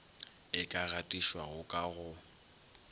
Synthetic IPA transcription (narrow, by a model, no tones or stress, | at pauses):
ɪkʼaɣatʼiʃwaɣʊkʼaɣʊ